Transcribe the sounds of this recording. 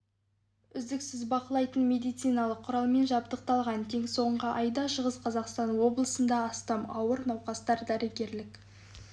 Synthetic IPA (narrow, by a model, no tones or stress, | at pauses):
ʏzd̪ɪksɪzbɑqəlˠɑjt̪ənme̞d̪ijt̪sijnɑlˠəqʰːʊɾɑlˠme̞nʒɑp̚t̪əq̚t̪ɑlˠʁɑnt̪ʰe̞ŋso̞ɴʁəʔɑjd̪ɑʃəʁəsqʰɑzɑqst̪ɑnwo̞blˠəsənd̪ɑːst̪ɑmɑwəɾnɑwqɑst̪ɑɾd̪æɾɪɡʲe̞ɾlɪk